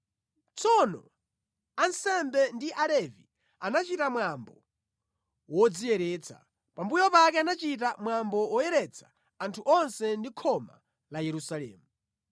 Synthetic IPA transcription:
t͡sɔnɔ̰ | ansɛmbɛndiʔalɛvḭ | anat͡ʃitamwambɔ | wɔd͡zijɛɾɛːt͡sʰḁ̰ | pambujɔpakɛanat͡ʃitamwambɔwɔjɛɾɛt͡sʰḁː | ntʰuʔɔnsɛndikʰɔma̰ | lajɛɾusalɛ̰ːmu

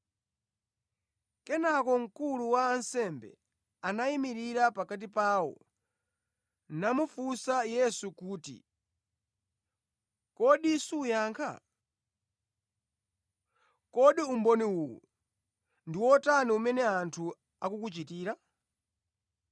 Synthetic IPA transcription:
kɛnakɔŋ̩kuluwaːnsɛmbɛ̰ | anaimiɾiɾapakat̬ipaːwɔ̰ | namufusajɛsukuːtḭ | kɔɗisuːjaːŋkʰa̰ | kɔɗiumbɔniwuwɔ̰ | ndiwɔtaniumɛnɛantʰu | akukut͡ʃitiːɾa

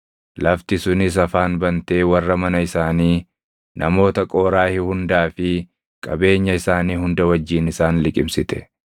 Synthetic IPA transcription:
lɐft̪ɪsʊnɪs̬ɐfaːnbɐnt̪e̞ːwɐrːɐmɐnɐɪsaːniː | nʔɐ̰mo̞ːt̪ɐkʼo̞ːɾaːhɪhʊnd̪aːfɪ | kʼɐbe̞ːɲːɐɪsaːniːhʊnd̪ɐwɐd͡ʒːiːnɪsaːnlɪkʼɪmsɪt̪ɛ̥

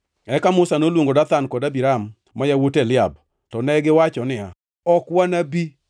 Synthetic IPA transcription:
ɛkamʊsanolwoŋɡodat̪ankɔdabiɾamː | ajawotelɪab̚ | tɔnɛɡɪwat͡ʃɔnɪa | ɔkwanabi

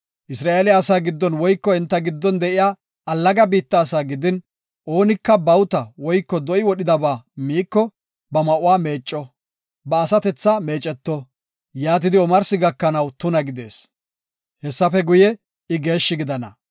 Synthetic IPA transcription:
ʔɪsɾaːʔelɪːsaːɡɪd̪ːɔnwɔjkːɔɪnt̪ːɐɡɪd̪ːɔnd̪ɛʔɪjaː | ɐlːɐɡɐbiːt̪ːɐːsaːɡɪd̪ɪn | ʔo̞ːnɪkːɐbɐwt̪ɐwɔjkːɔd̪ɔʔɪwɔɗɪd̪ɐbaːmiːkːɔ | bɐmɐʔʊwaːme̞ːt͡ʃʼːɔ | bɐːsɐt̪ɛt͡sːɐme̞ːt͡ʃʼːɛt̪ːɔ | jaːt̪̬ɪd̪ɪɔmɐɾsɪɡɐkːɐnɐwt̪ʊnɐɡɪd̪e̞ːs | hɛsːɐfɛɡʊjɛ | ɪɡe̞ːʃːɪɡɪd̪ɐnɐ̰

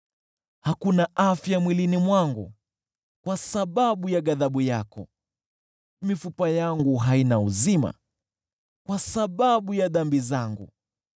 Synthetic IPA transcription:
hakunaʔafjamwilinimwaŋɡu | kwasaɓaɓujaɠaðaɓujakɔ̰ | mifupajaŋɡuɦainauzima̰ | kwasaɓaɓujaðambizaŋɡṵ

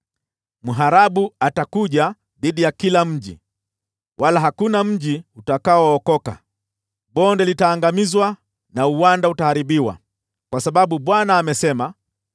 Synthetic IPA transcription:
muɦaɾaɓuatakuʄa | ðiɗijakilam̩ʄḭ | wʔalaɦakunam̩ʄiutakaɔːkɔka̰ | ɓɔndɛlitaːŋɡamizwa | nauwandautahaɾiɓiwa̰ | kwasaɓaɓuɓwanaːmɛsɛma

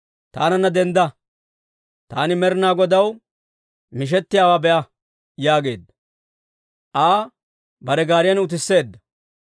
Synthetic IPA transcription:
t̪a̰ːnɐnːɐd̪ɛnd̪ɐ | t̪a̰ːnɪmɛɾnaːɡɔd̪ɐw | mɪʃ̬ɛt̪ːɪjaːwaːbɛʔɐ | jaːɡe̞̰ːd̪ːɐ̥ | ʔaː | bɐɾɛɡaːɾɪjɐnʊt̪̬ɪsːe̞ːd̪ːɐ

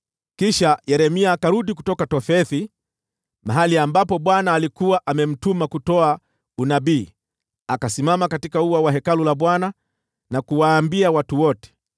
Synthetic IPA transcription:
kiʃajɛɾɛmiaːkaɾuɗikutɔkatɔfɛθi | maɦaliambapɔɓwanaːlikuwaʔamɛm̩tumakutɔa | unabiː | akasimamakatikauwawaɦɛkalulaɓwana | nakuwaːmbiawatuwɔtɛ̥

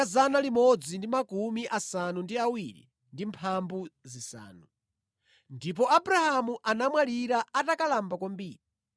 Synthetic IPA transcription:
azanalimɔd͡zindimakumiʔasanundiawiɾḭ | ndimpʰambuzisa̰ːnu | ndip̬ɔabuɾahamuʔanamwaliɾaatakalambakwambiːɾi

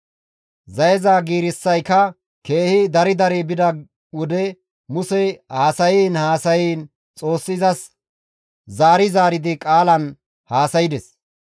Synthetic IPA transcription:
zɐjɛzaːɡiːɾɪsːɐjkɐ | ke̞ːhɪd̪ɐɾɪd̪ɐɾibɪd̪ɐ | wɔd̪ɛ | mʊsɛhaːsɐjiːnhaːsɐjiːn | t͡sʼo̞ːsːɪzɐs | zaːɾɪzaːɾɪd̪ɪkʼaːlɐn | haːsɐjɪd̪ɛs

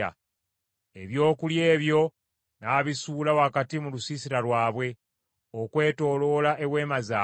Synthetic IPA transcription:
a̰ | e̞βjo̞ːkulje̞ːβjo̞ | naːβisuːlawakatimulusisiɾalwaːβwe̞ | okwe̞ːto̞ːlo̞laʔe̞βwe̞ːmazaː

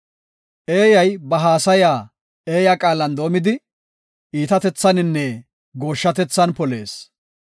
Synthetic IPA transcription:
ʔe̞ːjɐjbɐɦaːsɐjaː | e̞ːjakʼaːlɐnd̪o̞ːmɪd̪ɪ | iːt̪ɐt̪ɛt͡sːɐnɪnːɛ | ɡo̞ːʃːɐt̪ɛt͡sːɐnpɔle̞̰ːs

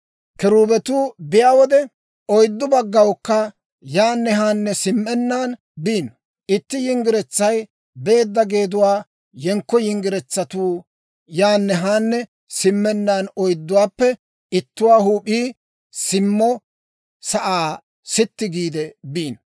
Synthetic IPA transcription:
kɪɾuːbɛt̪uːbɪjaːwɔd̪ɛ | ɔjd̪ːʊbɐɡːɐwkːɐ | jaːnːɛɦaːnːɛsɪmːɛnːaːn | biːn | ʔɪt̪ːɪjɪŋɡɪɾɛt͡sːɐj | be̞ːd̪ːɐɡe̞ːd̪ʊwaː | jɛŋkːɔjɪŋɡɪɾɛt͡sːɐt̪uː | jaːnːɛɦaːnːɛ | sɪmːɛnːaːnɔjd̪ːʊwaːpːɛ | ɪt̪ːʊwaːhuːpʼiː | sɪmːɔ | sɐʔaː | sɪt̪ːɪɡiːd̪ɛbiːnɔ

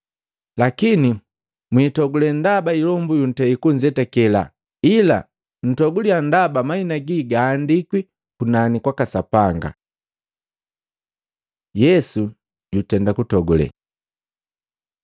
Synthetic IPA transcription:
lakini | mwiːtɔɡulɛndabailɔmbujun̩tɛikuɲd͡ʒɛtɛkɛla̰ | ila̰ | n̩tɔɡuliandabamainaɡiɡaːndikwi | kunanikwakasapaŋɡa̰ | jɛsu | ɟutɛndakutɔɡulɛ̰

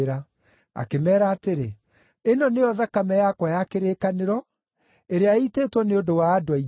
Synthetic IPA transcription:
ɾa | a̰kemɛːɾaːteɾe | enɔnejɔðakamɛjakwajakeɾeːkaneɾɔ | eɾeaiteːtwɔneodowaːdowai

